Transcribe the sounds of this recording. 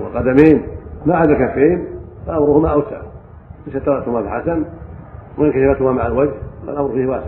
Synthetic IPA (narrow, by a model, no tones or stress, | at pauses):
wɪqɑd̪amiːnmaʕad̪alkafːiːmalʔamɾʊhʊmaʔawsa̰ʕ | leʃat̪ːɑɾˤɑʔt̪hʊmafiħasan | wɪɪnkaʃafat̪hʊmamaʕalwad͡ʒla̰lʔamɾfiːhwaːs